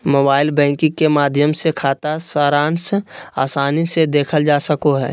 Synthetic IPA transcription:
moːbaːɪlbɛ̃ːŋkɪ̃kemaːd̪ʱjəmsekʰaːt̪asəːɾaːnsaːsaːnised̪eːkʰəld͡ʒaːsəkoɦɛ̰ː

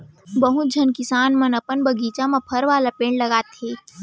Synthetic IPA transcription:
bəɦut̪̚d͡ʒʱənkɪsaːnmɐnɐpənbɐɡiːt͡ʃamãpʰɐɾʋaːlapẽːɳɖlɐɡaːt̪ɦeː

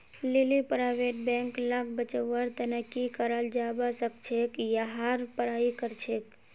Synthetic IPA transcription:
lilipɾaʋeʈ̚bẽŋklak̚ʰbət͡ʃəwːaɾt̪ənəkikəɾald͡ʒabasək̚t͡ʃʰekjaɦaɾpəɾaːikəɾt͡ʃʰek

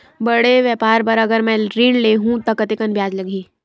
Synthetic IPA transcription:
bɐɽeʋjɛːpaːɾpɐɾɐɡəɾmɛ̃ɾiːɽleɦũt̪ɐkɐt̪ɪkənbjaːd͡ʒlɐɡiː

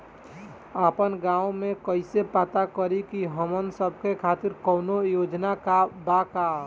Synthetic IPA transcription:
əpənɡãːomẽkəɪsepət̪akəɾikiɦəmənsəb̚ʱkekʰaːt̪ɪɾkɔːnojoːd͡ʒnakabakaː

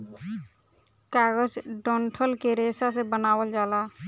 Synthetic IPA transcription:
kaːɡəd͡ʒɖɔɳʈʰəlkeɾesas̬ebənaːwəld͡ʒaːlaː

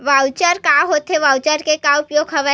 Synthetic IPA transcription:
ʋawt͡ʃaɾkaɦot̪eʋawt͡ʃaɾkekaʊpjoɡɦɐʋə

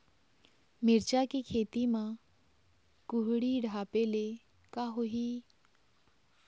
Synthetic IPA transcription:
mɪɾt͡ʃakikʰeːt̪imã | kʊɦɽiɖʱaːpele | kaɦoɦiː

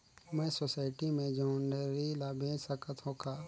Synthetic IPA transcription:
mɛ̃ːsosaːɪʈimẽd͡ʒɔːnɖəɾilabʱẽːsəkət̪ɦoːkʰaː

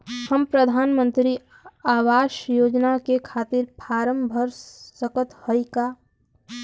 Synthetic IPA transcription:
həmpɾəd̪ʱaːnmə̃nt̪ɾi | aːwaːʃjoːd͡ʒnakekʰaːt̪ɪɾpʰaːɾəmbʱəɾsəkət̪həika

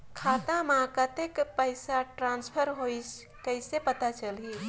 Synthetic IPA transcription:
kʰaːt̪amãkat̪ekpəɪsaʈɾãːnspʰəɾɦois | kəɪsepət̪at͡ʃəli

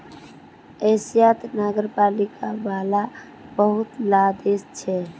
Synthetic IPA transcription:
esijat̪naɡəɾpalikabala | bəɦut̪lad̪est͡ʃʰɛ

